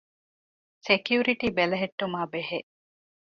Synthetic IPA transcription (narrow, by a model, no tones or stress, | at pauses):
sekjuɾiʈiːbelɐɦeʈːumaːbeɦe